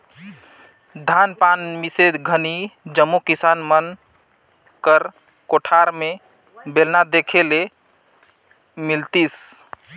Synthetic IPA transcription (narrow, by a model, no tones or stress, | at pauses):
d̪ʱanpanmised̪ɡʱənid͡ʒəmːukisanmən | kəɾ | koʈʰaɾme | belnad̪ekʰele | milt̪is